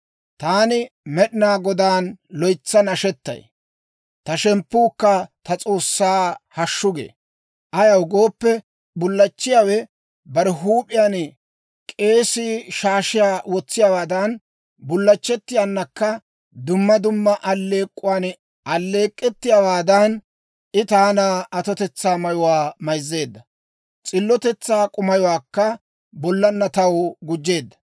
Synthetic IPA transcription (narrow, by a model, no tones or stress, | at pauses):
t̪aːnɪmɛɗɪnaːɡɔd̪aːnlɔjt͡sːɐnɐʃɛt̪ːɐ̰j | t̪ɐʃɛmpːuːkːɐt̪ɐt͡sʼo̞ːsːaːhɐʃːʊɡḛː | ʔɐjɐwɡoːpːɛ | bʊlːɐt͡ʃːɪjaːwɛ | bɐɾɛɦuːpʼːɪjaːn | kʼe̞ːsiʃaːʃɪjaːwɔt͡sːɪjaːwaːd̪ɐn | bʊlːɐt͡ʃːɛt̪ːɪjanːɐkːɐ | d̪ʊmːɐd̪ʊmːɐʔɐlːe̞ːkʼːʊwaːn | ʔɐlːe̞ːkʼːɛt̪ːɪjaːwaːd̪ɐn | ʔɪt̪aːnaːʔɐt̪ɔt̪ɛt͡sːaːmɐjɔwaːmɐjzːe̞ːd̪ːɐ | t͡sʼɪlːɔt̪ɛt͡sːaːkʼʊmɐjɔwaːkːɐ | bɔlːɐnːɐt̪ɐwɡʊd͡ʒːe̞ːd̪ːɐ̥